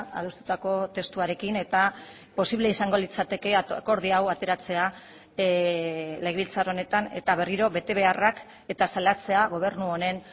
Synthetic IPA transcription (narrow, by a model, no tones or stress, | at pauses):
a̰ðust̪u̥t̪ako̞t̪e̞st̪uaɾe̞kine̞t̪a | po̞siβle̞isaŋɡo̞lit͡sat̪e̞ke̞ko̞ɾð̞iawat̪e̞ɾat͡se̞a | leɣeβilt͡saɾone̞t̪ane̞t̪aβ̞e̞riɾo̞βe̞t̪e̞βe̞arak | e̞t̪asalat͡se̞aɣ̞o̞β̞e̞rnuone̞n